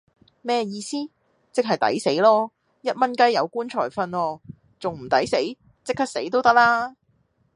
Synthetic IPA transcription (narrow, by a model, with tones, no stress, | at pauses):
mɛː˥jiː˧siː˥ | t͡sɪ˥k̚ɦɐ˨jt̪ɐ̰˨˥jse˨˥jlɔː˥ | jɐ˥t̚mɐ˥nkɐ˥jːɐ˨˧wkuː˥nt͡ʃʰɔː˨˩jfɐ˧nwɔː˧ | t͡sʊ˨ŋm̩˨˩t̪ɐ˨˥jse˨˥j | t͡sɪ˥kʰːaː˥k̚se˨˥jt̪̬o˥wt̪ɐ˥k̚laː˥